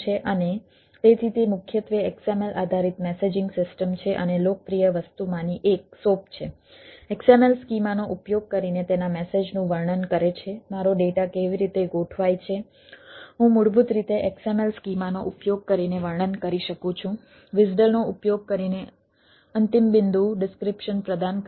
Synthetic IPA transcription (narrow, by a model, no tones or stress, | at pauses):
t͡ʃʰeʔəne | t̪et̪ʰit̪emʊkʰjət̪ʋeɛksemelʔad̪ʱaɾit̪mɛsed͡ʒɪŋɡsɪsʈəmt͡ʃʰeʔənelokəpɾijəʋəst̪umãniʔek̚sop̚t͡ʃʰe | eksemelskimanoʔupjoɡ̚kəɾinet̪enamɛsed͡ʒnũʋəɾɳənkəɾet͡ʃʰemaɾoɖeʈakeʋiɾit̪eɡoʈʰʋajt͡ʃʰe | ɦũmʊɽbʱut̪ɾit̪eʔeksemelskimanoʔupjoɡ̚kəɾineʋəɾɳənkəɾiʃəkũt͡ʃʰũ | ʋɪsɖəlnoupjoɡ̚kəɾine | ənt̪imbɪnd̪ʱuɖɪskɾɪpʃənpɾəd̪an